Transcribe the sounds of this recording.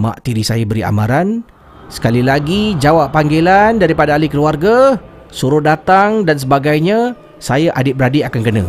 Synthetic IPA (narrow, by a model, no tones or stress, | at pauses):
ma̰ʔt̪iɾisajəbəɾia̰mãɾan | sə̥kalilaɡid͡ʒawaʔːaŋɡelandaɾipadaːlikəluarɡa | suɾʊdat̪aŋdans̬əbaɡajɲə̃ | sajaʔadɪbɾadiakankənã̰